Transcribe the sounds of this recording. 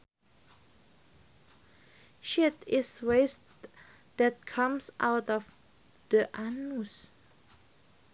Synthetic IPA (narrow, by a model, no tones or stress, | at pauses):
ʃɪtɪsweɪst | ðæt̪̚kʰʌ̃msʔaʊtɔv | ðəʔænus